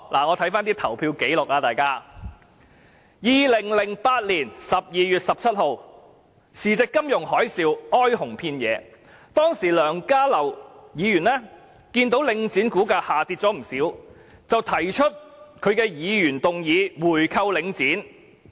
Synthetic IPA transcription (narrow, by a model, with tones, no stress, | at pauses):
lʔaː˨˩ŋɔː˨˧t̪ʰɐ˨˥jfaː˥nt̪iː˥t̪ʰɐ˨˩wpʰiː˧wke˨˥jlʊ˨k̚laː˧t̪aː˨˩jkaː˥ | jiː˨˧lɪ˨˩ŋlɪ˨˩ŋpaː˧t̚liː˨˩nsɐ˨p̚jiː˨˧jyː˨t̚sɐ˨p̚t͡sʰɐ˥t̚ho˨w | siː˨t͡sɪ˨kːɐ˥mjʊ˨˩ŋhɔː˨˥jsiː˧wɔː˥jhʊ˨˩ŋpʰiː˧njɛ̰ː˨˧ | t̪ɔː˥ŋsiː˨˩lœː˨˩ŋkaː˥lɐ˨˩wjiː˨˧jyː˨˩nlɛː˥ | kiː˧nt̪̬o˨˥wlɪ˨˧ŋt͡siː˨˥nkuː˨˥kaː˧haː˨t̪iː˧t̚t͡sɔː˨˥m̩˨˩siː˨˥w | t͡sɐ˨wt̪ʰɐ˨˩jt͡ʃʰɵ˥t̚kʰɵ˨˧ɥkɛː˧jiː˨˧jyː˨˩nt̪ʊ˨ŋjiː˨˧wuː˨˩jkʰɐ˧wlɪ˨˧˥ŋt͡siː˨˥n